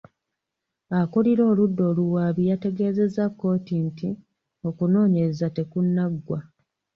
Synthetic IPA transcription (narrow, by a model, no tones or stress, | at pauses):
akuliɾo̞ːludːo̞ːluwaβijate̞ɡe̞ːze̞zakːo̞ːtinti | o̞kuno̞ːɲe̞ɾezate̞kunːaɡːwa